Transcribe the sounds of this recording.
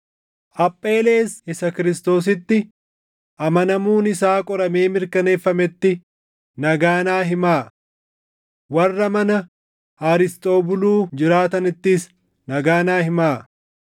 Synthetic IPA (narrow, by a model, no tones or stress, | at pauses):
ʔɐpʼːe̞ːle̞ːsɪsɐkɪɾɪst̪o̞ːs̬ɪt̪ːɪ | ʔɐmɐnɐmuːnɪsaːkʼɔɾɐme̞ːmɪɾkɐne̞ːfːɐmɛt̪ːɪ | nɐɡaːnaːɦɪmaː | wɐrːɐmɐnɐ | haːɾɪst̪ʼo̞ːbʊluːd͡ʒɪɾaːt̪ɐnɪt̪ːɪs | nɐɡaːnaːɦɪmaː